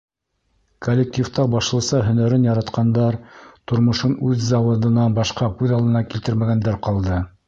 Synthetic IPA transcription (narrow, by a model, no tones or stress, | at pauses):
kʰolʲːek̚tʲift̪ɑbɑʃlˠɤ̆sɑɦɵ̆næɾɘnjɑɾɑt̪qɑnd̪ɑɾt̪ŏɾmŏʃɤnʉðzɑwɤ̆d̪ɤ̆nɑbɑʃqɑkʉðɑlˠɤ̆nɑkilt̪ɘɾmæɡænd̪æɾqɑlˠd̪ɤ